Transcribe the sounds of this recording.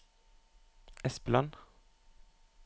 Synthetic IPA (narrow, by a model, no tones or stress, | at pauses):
ʔɛspəlɑn